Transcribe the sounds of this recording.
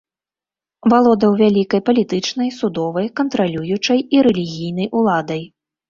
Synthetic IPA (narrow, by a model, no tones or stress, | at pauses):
valˠɔd̪ɐwvʲalʲikɐjpɐlʲit̪ɨt͡ʂn̪ɐjsud̪ɔvɐjkɐnt̪ɾalʲujut͡ʂɐjiɾɛlʲiɣʲijnɐjʔulˠad̪ɐj